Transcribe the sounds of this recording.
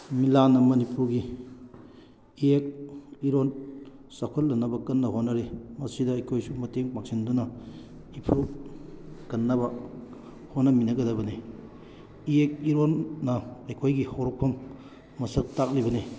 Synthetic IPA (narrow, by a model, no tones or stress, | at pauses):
milanːɐmɐnipuɾɡi | iek̚iɾonsakʰolːɐnɐbɐkɐnːɐɦonːɐɾimɐsidɐːjkʰojsumɐteŋpak̚sindunɐ | ipʰu | kɐnːɐbɐ | honːɐminɐɡɐdɐbɐni | iek̚iɾonːɐɐjkʰojɡihowɾok̚pʰɐmː | ɐsɐk̚tak̚libɐni